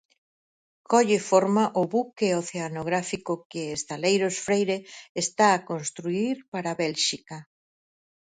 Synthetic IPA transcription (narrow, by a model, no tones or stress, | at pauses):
kʰɔʎɪfɔɾmaʔʊβukeoθeanoɣ̞ɾafikokɪest̪alejɾosfɾejɾeːst̪aːkonst̪ɾuiɾpaɾaβɛlʃika